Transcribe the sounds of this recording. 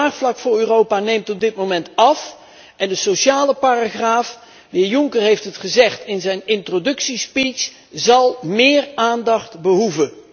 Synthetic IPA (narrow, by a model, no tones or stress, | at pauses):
aːχflɑkfʊːrøːrowpaːnejmtɔb̚dɪt̚mowmɛntɑf | ʔɛndəsoʃaːləpaːraχraːf | ʋɪjʊŋkərɦejftɦətχəzɛχtɪnzɛjnɪntrodɵksispis | zɑlˠmɪːraːndɑχtbəɦuvə